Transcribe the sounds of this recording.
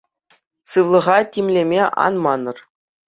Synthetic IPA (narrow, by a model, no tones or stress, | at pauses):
sɯʋlˠɤ̆ʁɑtʲimʲlʲemʲeʔɑ̰nmɑnɤ̆r